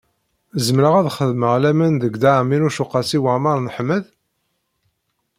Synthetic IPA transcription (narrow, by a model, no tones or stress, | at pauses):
zəmɾəʁæðχəðməʁlæmənðəɡd̪aʕminuʃuqːɑsiwəmɑɾˤnəħmːəð